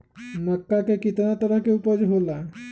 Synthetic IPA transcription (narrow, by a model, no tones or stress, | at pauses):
nəkːakekit̪anat̪ɔɾakeupɔd͡ʒɦola